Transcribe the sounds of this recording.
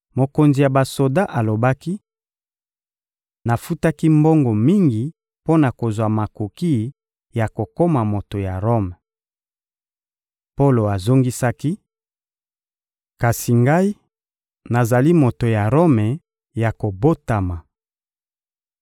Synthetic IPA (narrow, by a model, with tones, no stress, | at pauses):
mo˨ko˨nzi˨ja˨ba˨so˨da˦ʔa˨lo˨ba˦ki˦ | na˨fu˦ta˦ki˦mbo˦ŋɡo˨mi˦ŋɡi˨ | po˦na˨ko˨zwa˨ma˨ko˨ki˦˨˦ | ja˨ko˨ko˦ma˨mo˨to˨ja˨ʁo˦m˨ | po˦lo˨a˨zo˦ŋɡi˦sa˦ki˦ | ka˨si˨ŋɡa˦i˦ | na˨za˨li˦mo˨to˨ja˨ʁo˦mɛ˨ | ja˨ko˨bo˦ta˨ma˨